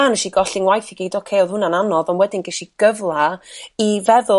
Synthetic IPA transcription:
anɛʃiɡɔɬɪnwajθiɡiːdokʰeɔðhʊnananɔðɔnwɛdɪnɡɛʃiɡ̥əvlˠaivɛðʊ

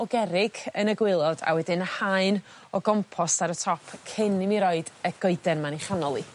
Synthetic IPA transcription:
ɔɡɛɾɪɡənəɡwɪlˠɔd̥a̰wɛdɪnhaɨn | ɔɡɔmpʰɔstaɾətʰɔpʰkʰɪnɪmiɾɔɨd̥əɡ̥oɨdɛnmaniχanɔlˠi

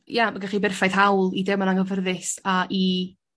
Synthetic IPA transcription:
jamaɡaχibɪrfajð̥ɦawlˠidɛmanaŋəvərðɪsaʔi

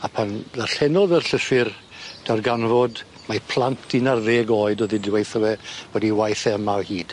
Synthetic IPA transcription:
apʰanðaɬɛnɔðərɬəfɪr | d̥arɡanvɔd | mapʰl̥ˠantʰinarðeːɡoːɨdɔðidwejθəwɛb̥ɔdiwajθɛəmalˠhiːd̥

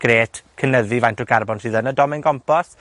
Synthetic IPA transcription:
ɡ̥ɾeːtʰkʰənəðivajntɔɡarbɔnr̥iːðənədɔmɪnɡɔmpɔs

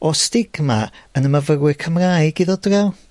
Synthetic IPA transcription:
ɔstɪɡ̥maənəməvərwɪkʰəmrajɡiðɔdrɛw

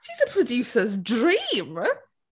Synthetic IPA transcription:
ʃizəpʰɹ̥ədjʉˑsəzdɹĩːm

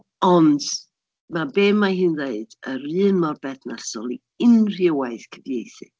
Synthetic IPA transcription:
ɔnd̥ | mabeːmahɨːnðeɨd̥əɾɨːnmɔrbɛθnasɔlˠi | ɪnr̥ɪwaɨθkʰəvjejθɨ̰

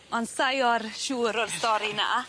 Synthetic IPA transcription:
ɔnsajɔɾʃuːɾɔrstɔɾina̰

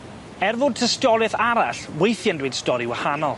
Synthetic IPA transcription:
ɛrvʊːd̚tʰəstɔlɛθaɾaɬwejθjandwɪd̥stɔɾiwahanɔlˠ

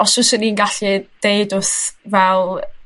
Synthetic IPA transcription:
ɔsʊsəninɡaɬid̥eɨdʊθvɛlˠ

